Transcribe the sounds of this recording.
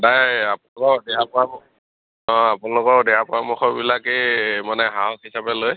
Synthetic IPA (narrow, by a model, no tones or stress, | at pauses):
dajapunlkɔdɛapɔaɔ | ɔ̃apunalʊkɔdɛɹapɔɹamɔxɔbilakemanɛɦaɔhisapɛloj